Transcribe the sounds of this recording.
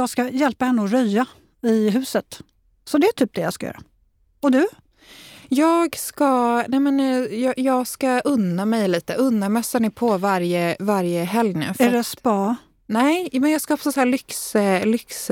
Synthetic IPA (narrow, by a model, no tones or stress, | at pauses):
jɑɡskajɛlpahɛnːəɔɾœja | ɪɦʉ̟ːsət̪ | sɔd̪ɛæʈʰyːp̚d̪ɛjɑ̰skajœ̰ːɾa̰ | ɔd̪ɵ | jɑːɡskanɛmɛnjɑjɑːɡskaʔɵnːamɛjliːt̪əʔɵnːamɛsːanɪpʰɔvaɾjəvaɾjəɦɛljnʉ̰fɛɖɛspɑː | nɛmɛnjɑːɡskaɔpsɔsæːlʏkslʏks